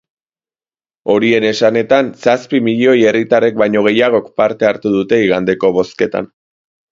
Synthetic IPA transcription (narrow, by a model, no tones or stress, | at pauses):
o̞ɾie̞ne̞sane̞t̪ansaspimiʎo̞je̞rit̪arek̚bajɲo̞ɣ̞e̞jaɣ̞o̞kpaɾt̪e̞aɾt̪uðut̪e̞iɣ̞and̪e̞ko̞βo̞ske̞t̪a̰n